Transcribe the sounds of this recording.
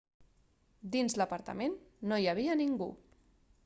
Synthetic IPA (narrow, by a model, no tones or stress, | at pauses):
d̪inzləpəɾt̪ə̰menːojəβ̞iəniŋɡṵ